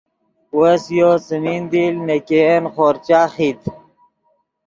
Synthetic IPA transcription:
wɐsjosəmiːnd̪ilnekenχoɾt͡ɕaːxit̪

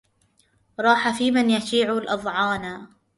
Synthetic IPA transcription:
ɾˤɑːħafiːmanjaʃiːʕʊlʔɑðˤʕɑːna

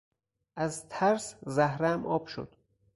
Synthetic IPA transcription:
ʔæzt̪ʰæɾszæhɾæmʔɒːb̥ʃo̰d̪̥

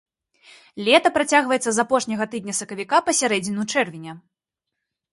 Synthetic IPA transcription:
lʲɛt̪ɐpɾat͡sʲaɣvɐjɛt̪sɐzapɔʂnʲɐɣɐt̪ɨd̪̚ʲnʲɐsɐkɐvʲikapɐsʲaɾɛd͡zʲinʲut͡ʂɛrvʲinʲɐ

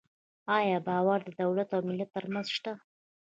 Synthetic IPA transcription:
ɑjɑbɑwaɾd̪əd̪awlat̪awmɪlːat̪ːəɾmanzʃt̪a

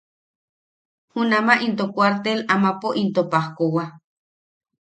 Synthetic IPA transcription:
hunamaʔint̪okwaɾt̪elamapoʔint̪opahkowa

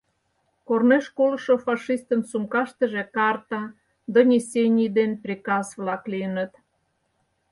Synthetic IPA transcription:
korneʃkoləʃofɑʃist̪ənsumkɑʃt̪ə̆ʒĕkɑrt̪ɑ | d̪onʲesʲenʲijd̪enprʲikɑsβlɑkliənə̆t̪

